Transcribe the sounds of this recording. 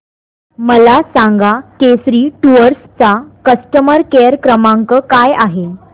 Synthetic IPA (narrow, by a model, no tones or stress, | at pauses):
məlasaŋɡakesɾiːʈuəɾst͡sakəsʈəməɾkeəɾkɾəmaŋkəkajaɦe